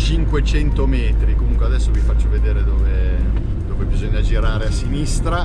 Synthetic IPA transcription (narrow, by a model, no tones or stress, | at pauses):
t͡ʃiŋkwet͡ʃɛnt̪omɛːt̪ɾikomuŋkwead̪ɛsːovifat͡ʃːoved̪eːɾed̪oːve | d̪oːvebizoɲːad͡ʒiɾaːɾeasːinist̪ɾa